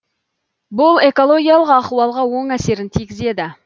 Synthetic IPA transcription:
bʊlˠe̞ko̞lˠo̞ɡʲijɑlˠəqɑquwɑlˠʁɑwo̞ɴæse̞ɾɪnt̪ʰijɡʲɪze̞d̪ɪ

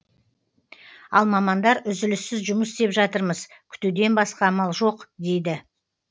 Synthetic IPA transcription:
ɑlˠmɑmɑnd̪ɑɾʏzɪlɪsːɪzʒʊməsst̪e̞pʒɑt̪əɾməzkʲʰʏ̥t̪ud̪e̞nbɑsqɑmɑlˠʒo̞qd̪e̞jd̪ɪ

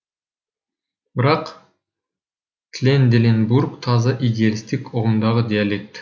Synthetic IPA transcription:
bɪɾɑq | t̪lʲend̪ʲelʲenburkt̪ʰɑzɑʔid̪ʲɪjalʲist̪ikoʁumd̪ɑʁɯd̪ʲɪalʲekt̪

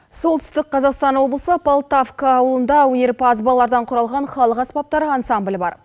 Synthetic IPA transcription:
so̞lˠt̪ʰʏ̥st̪ɪk̚qʰɑzɑqst̪ɑnwo̞blˠəsəpolˠt̪afkəːwəlˠənd̪ɑwɵne̞ɾpʰɑzbɑlˠːɑɾd̪ɑɴqʰʊɾɑlˠʁɑnχɑlˠəqɑsbɑp̚t̪ɑɾəɑnsɑmblʲɪbɑ̰ɾ

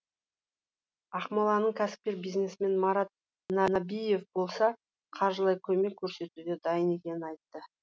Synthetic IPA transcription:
ɑχmolˠɑnəɴkʲʰæsɪ̥p̚kʲeɾbijzne̞sɪme̞nmɑɾɑt̪̚ | nɑnɑbije̞fbo̞lˠsɑ | qʰɑɾʒəlˠɑjkʲʰɵme̞kʲʰːɵɾse̞t̪ud̪e̞d̪ɑjəne̞kʲe̞nɪnɑjt̪ːə

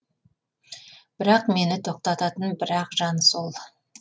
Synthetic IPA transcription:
b̥ɪɾɑqme̞nɪt̪ʰo̞q̚t̪ɑt̪ɑt̪ənbɪɾɑqʒɑnsolˠ

